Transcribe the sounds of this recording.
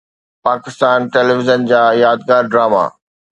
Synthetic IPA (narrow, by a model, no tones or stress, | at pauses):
paːkɪst̪aːnʈɛːleʋɪzənd͡ʑaːjaːd̪̚ɡaːɾɖɾaːma̰ː